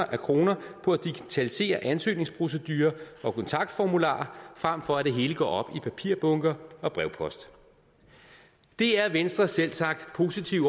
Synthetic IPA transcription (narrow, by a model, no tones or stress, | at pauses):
ɐʔækʰʁo̝ːnɐpʰɒ̽æd̥iɡ̥it͡sʰælise̝̰ːɐʔænsø̰ːne̝ŋspʰʁo̝s̬əd̥yːɐʔɒ̽kʰɒ̽nt͡sʰɑ̈ɡ̥̚d̥fɒmulɑ̰̈ːɐfʁam̰fɒ̽æd̥e̝ɦe̝ːləɡ̥ɒ̰ːɒ̽b̥ipʰæpʰiɐ̰b̥ɔ̽ŋɡ̥ɐɒ̽b̥ʁɛʊpʰɒ̽sd̥ | d̥e̝æɐʋensd̥ʁɐselsɑ̈ɡ̥̚d̥pʰo̝ːsit͡sʰiʊ̰